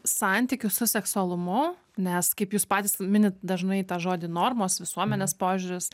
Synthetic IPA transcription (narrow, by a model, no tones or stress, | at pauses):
sɑnʲt̪ʲikʲʊsʊsʲɛksʊɐlˠʊmʊ | nʲɛskɐɪpjuːspɑːt̪ʲiːsmʲɪnʲɪt̪d̪ɐʒnɐɪt̪ɑːʒoːd̪ʲɪnoːrmoːsʋʲɪsuɔmʲɛnʲeːspoːʒʲʊɾʲɪs